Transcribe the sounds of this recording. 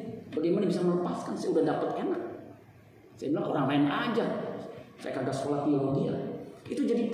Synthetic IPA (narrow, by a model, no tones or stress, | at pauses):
baɡajmanabisamələpaskansajaudahdapat̪enak̚ | sajabilaŋo̰ɾaŋlaɪnad͡ʒa | sa̰ja̰karɡasə̥kolafioloɡiait̪ud͡ʒadi